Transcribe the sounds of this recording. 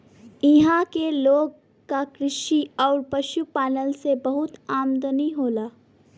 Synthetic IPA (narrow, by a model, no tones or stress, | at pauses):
ɪɦãkeloːɡ | kakɾɪʃiɔːɾpɐʃupaːnəlsebɐɦʊt̪aːmd̪əniɦoːlaː